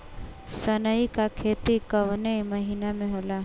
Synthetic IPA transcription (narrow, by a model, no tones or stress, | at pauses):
sənəikakʰeːt̪ikɐʋnemɐɦiːnamẽɦoːlaː